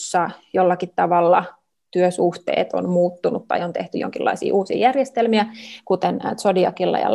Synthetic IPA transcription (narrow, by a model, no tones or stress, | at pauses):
sːɑjolːɑkit̪t̪ːɑʋɑlːɑ | t̪yøsuht̪ḛːt̪o̰nmuːt̪ːunut̪tɑ̰iont̪eht̪yjo̰ŋkilːɑisḭːʔuːsḭːjærjest̪elmiækut̪ensodiɑkilːɑ̰jɑ̰